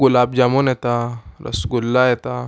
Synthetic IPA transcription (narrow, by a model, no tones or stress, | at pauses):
ɡulabd͡ʑamonɛt̪aɾə̰sɡulːajɛt̪a